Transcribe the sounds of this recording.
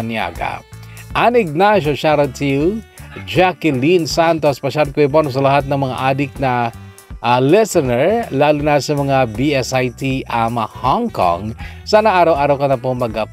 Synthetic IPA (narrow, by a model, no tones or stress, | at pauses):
nja̰ɡa̰ʔanɪɡ̚naʃoʃaɾɐt̪ʰiwd͡ʒakɪlinsant̪ospɐʃalkɛbonos̬ɐlɐɦat̪̚nɐŋmɐŋa̰ʔaːd̪ɪk̚nɐ | ʔalɛsɛnɛɹlaːlunasɐmɐŋabiɛsajt̪iʔɐmɐhɔŋko̰ŋsaːnɐʔaːɾɐwʔaːɾawkɐnɐpoŋmɐɡɐp